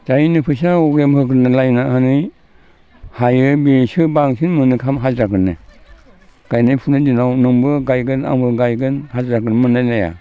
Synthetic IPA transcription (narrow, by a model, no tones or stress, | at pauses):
d͡ʒajnɯpʰɯs̬aɔɡɾemhɯkɯnɯlajnahɯnɯj | hajɯbisɯbaŋsɯnmɯnɯkʰamɦazɾakɯnɯ | ɡ̥ajnajpʰunɯdinawnɯŋbɯɡajɡɯna̰ŋbɯɡajɡɯnhazɾakɯnmɯnːajlaja̰